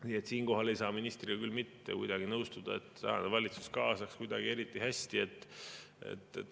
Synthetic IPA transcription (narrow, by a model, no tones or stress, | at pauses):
nie̞t̪siːnko̞ɦɑle̞jsɑːminist̪riɡɑkylmit̪ːe̞̰kujd̪̥ɑɡ̥inɤwst̪ud̪̥ɑ̰e̞t̪ːsɑ̰ɑnevɑlʲit̪su̥skɑːsɑkskujd̪̥ɑɡ̥ie̞ɾit̪ːˑihæsʲt̪ie̞t̪ːˑ | e̞̰t̪ːˑ